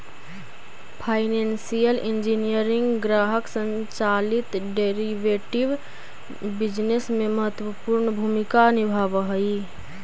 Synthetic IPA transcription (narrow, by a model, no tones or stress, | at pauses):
pʰaːɪneːnsijəlʔɪ̃nd͡ʒinijəɾɪ̃ŋɡɡɾaːɦəksə̃ɲt͡ʃaːlɪt̪ɖeɾiʋeːʈɪʋ | bɪd͡ʒnesmẽməɦət̪wəpuɾnəbʱumɪkanɪbʱaːʋɦəi